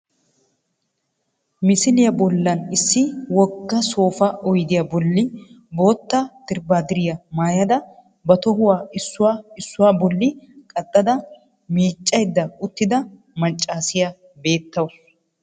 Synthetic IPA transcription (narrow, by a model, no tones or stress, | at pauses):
mɪsɪlɪjɐbɔlːɐnɪsːɪwɔɡːɐso̞ːfɐʔɔjd̪ɪjɐbɔlːɪ | bo̞ːt̪ːat̪ɪɾbaːd̪ɪɾɪjɐmaːjɐd̪ɐ | bɐt̪ɔhʊwaːɪsːʊwaːɪsːʊwaːbɔlːɪkʼɐt̪ʼːɐd̪ɐ | miːt͡ʃʼːɐjd̪ːɐʊt̪ːɪd̪ɐ | mɐt͡ʃʼːaːsɪjɐ | be̞ːt̪ːɐwɐ